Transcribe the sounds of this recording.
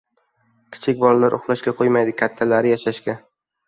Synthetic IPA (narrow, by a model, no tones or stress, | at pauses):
kʲʰɪ̥t͡ʃʰɪkʲbɒɾlaɾʔʊχlˠaʃkʲaqʰojmajd̪ɪkʲʰat̪ʰːalaɾɪjaʃaʃkʲa